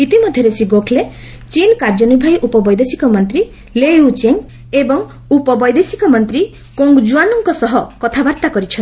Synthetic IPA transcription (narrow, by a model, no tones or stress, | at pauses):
it̪imɔd̪ʱjɔɾesiɡokʰle | t͡ʃilkaɾd͡ʒɔnibʱajʔupɔbɔjd̪esi̥kɔmɔnt̪ɾi | leut͡ʃeŋ | ebɔŋ | upɔbɔjd̪esikɔmɔnt̪ɾi | koŋɡd͡ʒuanɔŋkɔsɔɦɔkɔt̪ʰabaɾt̪akɔɾit͡ʃʰɔn